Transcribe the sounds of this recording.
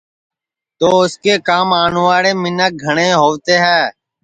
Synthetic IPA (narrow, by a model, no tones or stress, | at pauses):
t̪oːʊskeːkaːmaːnuːʋaːɽeːmɪnək̚ɡʱəɳeːɦoːʋt̪eːɦɛː